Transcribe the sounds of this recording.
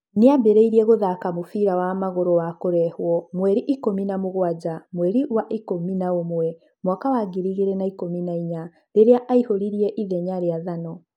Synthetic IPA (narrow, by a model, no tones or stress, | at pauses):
neabeɾɛiɾiɛɣoðakamofiɾawamaɣoɾowakoɾɛhwɔmwɛɾiʔikominamoɣwad͡ʑamwɛɾiwaʔikominaomwɛ | mwakawaɡiɾiɣeɾɛnaikominaiɲa | ɾeɾeaʔaihoɾiɾiɛʔiðɛɲaɾeaðanɔ